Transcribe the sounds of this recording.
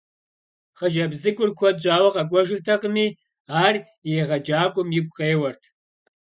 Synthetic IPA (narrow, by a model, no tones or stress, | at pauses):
χɐʒɐbzɨkʷʼʊrkʷʰɔd̚ʑaːwɐqɐkʷʼɔʒɪrtʰɐqəmiː | aːr | jeːʁɐd͡ʒaːkʷʼʊmjɪk̚ʷʼqʼeːwɐrtʰ